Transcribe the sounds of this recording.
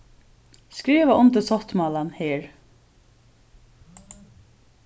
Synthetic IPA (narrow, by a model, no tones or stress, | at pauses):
skɹiːʋaʔʊmt̪ɪsɔht̪mɑːlanheːɹ